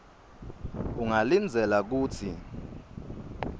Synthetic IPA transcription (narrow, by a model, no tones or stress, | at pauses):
uŋalind͡zʱɛlak̬uːtʰi